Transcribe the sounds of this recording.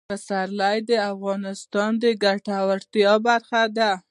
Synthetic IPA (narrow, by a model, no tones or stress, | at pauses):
pəsaɾlajd̪əafɣɑnɪst̪ɑnd̪əɡaʈawaɾt̪jɑbaɾxad̪a